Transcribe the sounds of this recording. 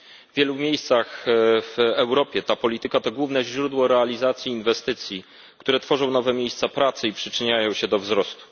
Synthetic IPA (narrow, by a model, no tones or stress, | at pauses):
vvʲjɛlumʲjejst̪saxvɛwɾɔpʲjɛt̪apɔlʲit̪ɘkat̪ɔɡwuvnɛʑɾud̪wɔɾɛalʲizat̪sʲjiːnvɛst̪ɘt̪sʲji | kt̪uɾɛt̪fɔʐɔ̃w̃nɔvɛmʲjejst̪sapɾat̪sɘipʂɘt͡ʂɘɲajɔ̃w̃ɕɛd̪ɔvzɾɔst̪u̥